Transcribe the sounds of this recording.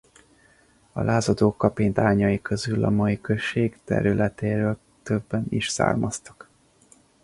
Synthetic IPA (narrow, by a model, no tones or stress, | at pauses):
ɒ̰lʔaːzɒd̪oːkːɒpiɲd̪aːɲɒjikø̞zylɒ̰mɒikø̞ʃːeːɡt̪ɛ̰ɾylʔɛt̪eːɾøːl | t̪ø̞bːɛnḭʃsa̰ːrmɒst̪ɒ̥k